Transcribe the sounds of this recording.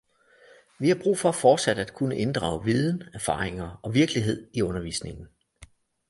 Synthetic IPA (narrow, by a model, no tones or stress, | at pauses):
ʋihɑ̈b̥ʁṵːfɒ̽fɒːd̥sæd̥æd̥kʰunəʔe̝nd̥ʁɑ̈ʊʋið̞ˠn̩æɐfɑ̰̈ːʁeŋɐɒ̽ʋiɐɡ̥liɦe̝ð̰ˠiɔ̽nɐʋḭːsne̝ŋn̩